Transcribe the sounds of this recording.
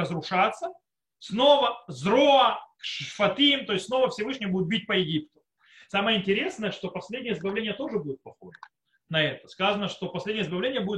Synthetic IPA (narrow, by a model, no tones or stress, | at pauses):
əzɾʊʂat̪sːə | snovəzɾoɐkʂfɐt̪ʲimt̪o̞jɪsʲsno̞vəfsʲɪvɨʂnʲɪjbudɪt̪bʲit̚ʲpəjɪɡʲipt̪ʊ̥ | saməjəɪnʲtʲɪɾʲe̞snəjəʂt̪o̞pɐsʲlʲedʲnʲjəɪzbɐvlʲenʲɪjət̪o̞ʐɨbudʲɪt̪̚pɐxo̞ʐə | nɐɛt̪ə̥skazənəʂt̪o̞pɐsʲlʲedʲnʲɪəɪzbɐvlʲenʲɪjəbudʲɪ